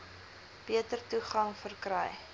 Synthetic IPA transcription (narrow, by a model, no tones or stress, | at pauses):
b̥iətərtuχɐŋfərkrɛj